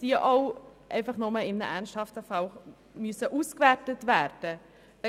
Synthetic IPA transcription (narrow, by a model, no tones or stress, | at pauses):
d̥iəʔɑʊʔɛ̰ɪfɑχnɔməɪmnəʔænsthɑftəfɑl | mysəʔuːskvæɾtətvæɾd̥ə